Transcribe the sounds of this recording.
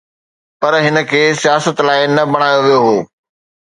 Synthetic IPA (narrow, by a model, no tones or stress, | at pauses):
pɐɾɦɪnə̆kʰeːsijaːsət̪laːɪnɐbɐɽ̃aːjoʋijoɦoː